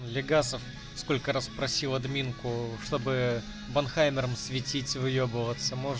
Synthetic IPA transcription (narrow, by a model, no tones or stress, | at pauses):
lʲɪɡasəf | sko̞lʲkəɾaspɾɐsʲilˠɐd̪mʲinkʊʂt̪o̞bɨ | bɐnxajmʲɪɾəmsvʲɪtʲitʲvɨjobəvət̪səmoʐ